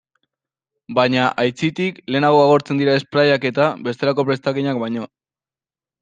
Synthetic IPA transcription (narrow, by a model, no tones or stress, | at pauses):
bajɲaʔajt͡sit̪ikle̞ːnaɣo̞aɣo̞ɾt͡se̞nd̪iɾae̞spɾajake̞t̪aβe̞st̪e̞ɾako̞pɾe̞st̪aɣiɲak̚bajɲo̞